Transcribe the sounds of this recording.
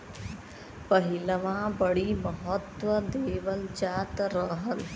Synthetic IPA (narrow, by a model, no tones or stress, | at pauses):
pəɦɪləʋãːbəɽiməɦət̪ʋəd̪eːʋəld͡ʒaːt̪ɾəɦəl